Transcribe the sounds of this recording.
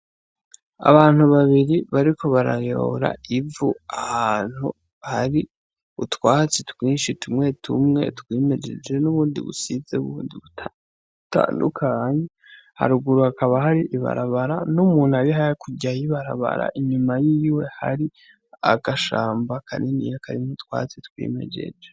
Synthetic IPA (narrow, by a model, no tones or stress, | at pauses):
a̰βaːn̥huβaβiɾiβaɾikʰo̞βaɾa̰jo̰ɾa̰ivuahaːn̥hu | haɾi | utwaːt͡setwiːnʃitʰumŋe̞tʰṵmŋe̞̰twimed͡ʒḛd͡ʒe̞nuβuːndḭβṵsizeuβuːndiβu | ta̰ːndṵkʰaːɲe | ha̰ɾuɡuɾuhakaβaɦaɾiʔiβa̰ɾaβaɾanumuːn̥uaβiɦakʰuɟajiβaɾa̰βa̰ɾa̰ʔiɲumajiwe̞ha̰ɾi | a̰ɡaʃaːmbakʰaninḭjakʰaɾinutwa̰ːt͡sitkwḭːme̞̰d͡ʒe̞̰d͡ʒe